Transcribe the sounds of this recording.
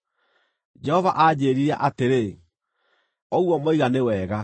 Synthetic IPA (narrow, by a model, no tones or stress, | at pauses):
d͡ʒɛhɔvaʔad͡ʑeːɾiɾɛ̰ʔateɾe | ɔwɔmoiɣanewɛːɣa